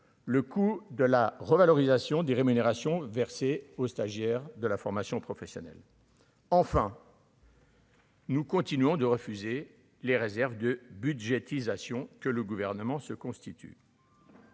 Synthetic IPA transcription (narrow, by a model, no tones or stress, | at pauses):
ləkud̪əlaʁəvalɔʁizasjɔ̃d̪eʁemyneʁasjɔ̃vɛʁseost̪aʒjɛʁd̪əlafɔʁmasjɔ̃pχɔfɛsjɔnɛ̰l | ɑ̃fɛ̃ | nukɔ̃t̪inɥɔ̃d̪əʁəfyze | leʁezɛʁvd̪əbyd̪ʒet̪izasjɔ̃kələɡuvɛʁnəmɑ̃səkɔ̃st̪it̪ʰy̰